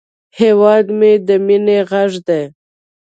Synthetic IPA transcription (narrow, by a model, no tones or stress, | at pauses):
hewɑd̪med̪əmineɣaʐd̪e